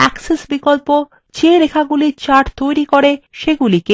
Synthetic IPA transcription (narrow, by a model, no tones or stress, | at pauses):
ɛksesbikolpo | d͡ʑeɾekʰaɡuliɾt͡ɕaʈt̪ojɾikoɾeʃeɡulike